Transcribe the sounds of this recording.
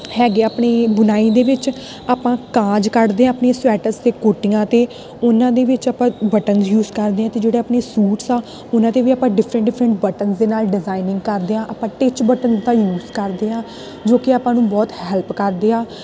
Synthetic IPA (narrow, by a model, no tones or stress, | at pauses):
hɛːɡeaːpɳeːbʊnaːiːd̪eːʋɪt͡ʃ | aːpãːkãːd͡ʒkəɾd̪eːãːəpneːswɛːʈəɾst̪eːkoːʈɪjãːt̪eː | ʊnãːd̪eːʋɪt͡ʃaːpãːbəʈənzjuːzkəɾd̪eːãːt̪eːd͡ʒeːɽeːaːpneːsuːʈsaː | ʊnãːt̪eːʋiːaːpãːɖɪfʰɾə̃ɳʈɖɪpʰɾəɳʈbəʈənzd̪eːnaːlɖɪzaːɪnɪ̃ŋɡkəɾd̪eːãːʔaːpãːʈɪt͡ʃbəʈənzd̪aːjuːzkəɾd̪eːãː | d͡ʒoːkɪaːpãːnũːbɔːt̪hɛːlpkəɾd̪eːãː